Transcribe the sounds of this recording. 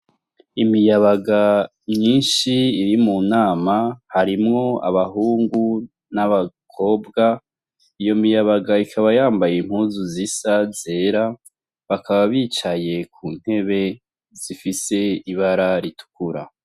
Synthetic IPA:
imijaβaɡa | mɲiːnʃiːɾimunaːmahaɾimŋo̞a̰βaɦuːŋɡu | naβa | kʰo̞ːbɡa | ijo̞mijaβaɡaikʰaβajaːmbajem̥huːzuzisaze̞ːɾa | βakaβaβiːt͡ʃaje̞kʰuːn̥he̞βe̞ | z̥ifise̞iβaɾaɾitu̥kuɾa̰

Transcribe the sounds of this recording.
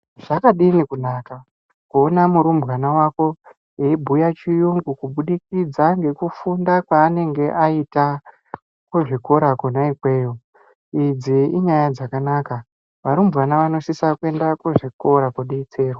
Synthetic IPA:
ʐ̥akaɗinikunaːka | kuːnamuɾumbɣanawako̞ | jeibʱujat͡ʃijuŋɡukuɓuɗikid͡zaŋɡe̞kufundakwaːne̞ŋɡe̞ʔaita | kuʐiko̞ɾakunaikwe̞ːjo | id͡ziiɲajad͡zakanaːka | ʋaɾumbʱɣanaʋano̞sisakwe̞ndakuʐiko̞ɾakoɗiit͡se̞ːrwa

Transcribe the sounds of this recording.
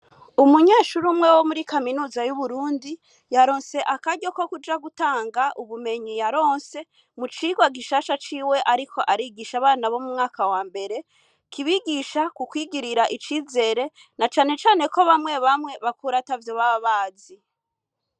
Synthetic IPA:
umuɲe̞ːʃuɾumŋe̞wo̞muɾikaminuːzajuβuɾuːndi | jaɾo̞ːnse̞ʔakaɟo̞ko̞kud͡ʒaɡutaːŋɡaʔuβume̞ɲijaɾo̞ːnse̞ | mut͡ʃiɡwaɡiʃaʃat͡ʃiːwe̞ʔaɾikʰo̞ʔaɾiɡiʃaβaːnaβo̞mumŋaːkawaːmbe̞ɾe̞ | kʰiβiɡiʃakukwiɡiɾiɾaʔit͡ʃiːze̞ːɾe̞ | nat͡ʃaːne̞t͡ʃaːne̞ko̞βamŋe̞βamŋe̞βakuɾatavjo̞βaaβaːzi

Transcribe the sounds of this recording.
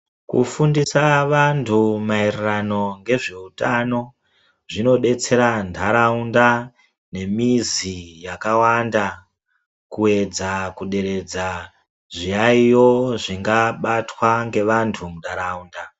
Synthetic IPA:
kṵfundisaʋantʰumairrano̞ŋɡe̞ʐe̞utano̞ | ʐino̞ɗe̞t͡se̞ɾandʱaɾaunda | ne̞mizijakawanda | kue̞d͡zakuɗe̞ɾe̞d͡za | ʐiaijo̞ʐiŋɡaɓatwaŋɡe̞ʋantʰumundʱaɾauːnda

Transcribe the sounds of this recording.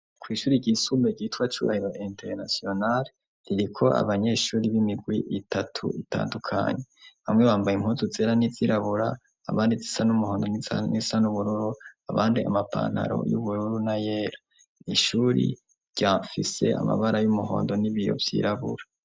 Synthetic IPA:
kwiːʃuːɾiɟisumbeɟitwat͡ʃṵɾa̰hiɾoʔenteɾnasio̞nale | ɾiɾikʰo̞ʔa̰βaɲe̞ːʃuːɾiβimiɡwiʔitʰatʰṵita̰ːndukʰa̰ɲe̞βamŋeβaːmbajim̥huzuzeɾaniz̥iɾaβuɾaː | βaːndizisanumuho̞ːndo̞nnisanuβuɾuɾuaβaːndia̰mapʰa̰ːn̥ha̰ɾo̞̰jṵβuɾuɾunaje̞ːɾa | niʃuːɾḭ | ɾɟ̥aɱfise̞̰a̰ma̰βaɾajumuɦo̰ːndo̞niβijo̞̰vjḭːɾaβṵɾa

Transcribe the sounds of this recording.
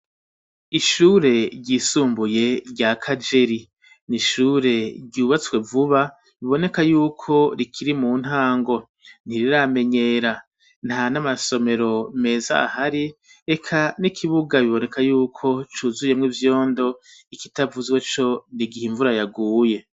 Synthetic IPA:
iʃuːɾe̞ɾɟiːsuːmbuje̞ɾɟakʰad͡ʒe̞ɾi | niʃuːɾe̞ɾɟuːβat͡swe̞vuβa | βiβo̞ne̞kajuːkʰo̞ɾikʰiɾimuːn̥ɦaːŋɡo̞ | n̥iɾiɾame̞ɲe̞ːɾa | nhanamaso̞me̞ɾo̞me̞ːza̰haɾi | ekʰanikʰiβuɡaβiβo̞ne̞kʰajuːkʰo̞t͡ʃuzuje̞mŋivjo̞ːndo̞iki̥tavuzwe̞t͡ʃo̞niɡihiɱvuɾajaɡuːje̞

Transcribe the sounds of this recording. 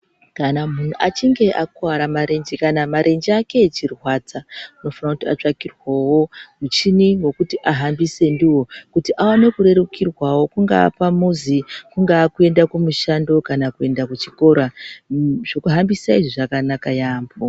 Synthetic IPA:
kanamun̤uʔat͡ʃiŋɡe̞ʔakwaɾamaɾe̞nd͡ʒikanamaɾʔe̞nd͡ʒiake̞t͡ʃirwaːt͡sauno̞fanakutiat͡ʂakirwawo̞mut͡ʃiniwo̞kutiʔaɦambise̞ndiwo̞kutiʔawane̞kuɾe̞ɾukirwawo̞kuŋɡa̰ːpamuzikuŋɡaːkue̞ndakumuʃando̞kanakue̞ndakut͡ʃiko̞ɾa | ʐ̥okuɦambisaiʐiʐakanakajaːmbo

